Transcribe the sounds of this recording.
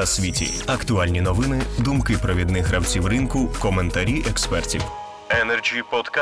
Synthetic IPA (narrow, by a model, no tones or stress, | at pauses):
ɐsʲʋʲitʲḭɐkt̪ʊalʲnʲinɔʋɪnɪd̪umkɪpɾɔʋʲid̪nɪxɾɐwt͡sʲiwrɪnkʊkɔment̪ɐɾʲiʔɛkspɛrtʲiw | ɛnɛrd͡ʒʲipɔt̪k